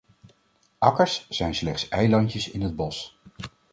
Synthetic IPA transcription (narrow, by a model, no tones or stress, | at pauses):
ʔɑkəɹsːɛjnslɛχtsɛjlɑncəsɪ̰nɦəd̚bɔs